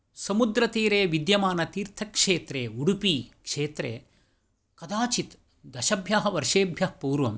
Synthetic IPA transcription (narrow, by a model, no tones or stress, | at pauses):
sɐmud̪ɾɐt̪iːɾeːʋid̪jɐmaːnɐt̪iːɾt̪ʰɐkʂeːt̪ɾeːuɽupiːkʂeːt̪ɾḛː | kɐd̪aːt͡ʃit̪ | d̪ɐʃɐbʱjaːɦɐʋɐɾʂeːbʱjɐhpuːɾʋɐm